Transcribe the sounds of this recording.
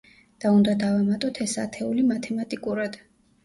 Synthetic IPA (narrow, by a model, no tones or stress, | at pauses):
d̪̥aund̪ad̪avamat̪ʼɔt̪ʰɛsa̰t̪ʰɛulimat̪ʰɛmat̪ʼikʼuɾad̪̥